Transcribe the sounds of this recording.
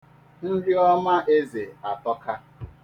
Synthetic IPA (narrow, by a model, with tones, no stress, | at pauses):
n̩˦dɪ˦ɔ˦ma˦ʔe˦ze˨a˨tɔ˦ka˦